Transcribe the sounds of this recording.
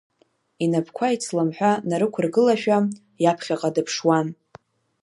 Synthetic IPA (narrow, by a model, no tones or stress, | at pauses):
inapʰkʷʰait͡sʰʼlamħʷᶣanaɾɨkʷʰʊrɡɨlaʃᶣa | japʰχʲaqʼadɨpʰʂwan